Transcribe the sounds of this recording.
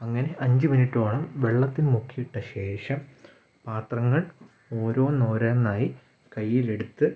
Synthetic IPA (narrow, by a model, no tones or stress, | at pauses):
ɐŋːɐne̞ʔɐɲd͡ʑɨminiʈːoːɭɐmʋe̞ɭːɐt̪ːinmukʰːijiʈːɐɕe̞ːʂɐm | paːt̪rɐŋːɐɭ | o̞ːɾo̞ːno̞ːɾɐːnːaːji | kɐjːile̞ɽut̪ːɨ